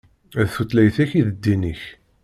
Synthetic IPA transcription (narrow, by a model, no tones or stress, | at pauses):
æðθut̪læjθæçiðəd̪ːiniç